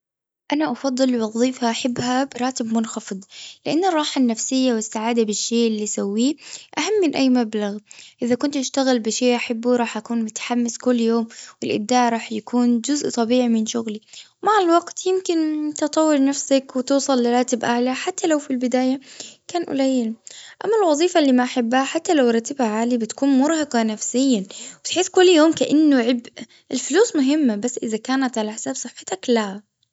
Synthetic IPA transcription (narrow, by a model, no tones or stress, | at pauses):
ʔanaʔɑfɑd̪ˤːɨlːɪwɑðˤiːfhaʔaħɪbːhabɪɾˤɑːt̪ɪbmʊnxɑfɨd̪ˤlɪʔanːɑrˤːɑːħanːafsɪjːawɪsːaʕaːd̪abɪʃːeːʔɪlːisawːiːʔaɦamːɪnʔajːmablaɣʔɪðakʊnt̪ʔaʃt̪aɣɪlbɪʃeːʔaħabːuɾˤɑːħʔakuːnmʊt̪ḁħamːɪskʊlːjoːmwɪlʔɪ̰b̚d̪aːʕɾˤɑːħjakuːnd͡ʒʊzʔt̪ˤɑbiːʕimɪnʃʊɣliwmaʕalwɑɡt̪jɪmkɪnt̪ɨt̪ˤɑwːɪlnafsakwɪt̪uːsˤɑlːɪɾˤɑːt̪ɪbʔaʕlaħat̪ːalawfilbɪd̪aːjakaːnʔʊ̰lajːɪlʔamːalwɑðˤiːfalːiːmaʔaħabːhaħat̪ːalawɾˤɑt̪ːɪbhaʕaːlibɪt̪kuːnmʊɾˤhɑqɑnafsɪjːabɪt̪ħɪskʊlːjoːmkaʔanːʊʕɪb | ʔɪlfʊluːsmʊɦɪmːabasːʔɪðakaːnat̪ʕalaʔħsaːbsˤɨħːɪ̥t̪akla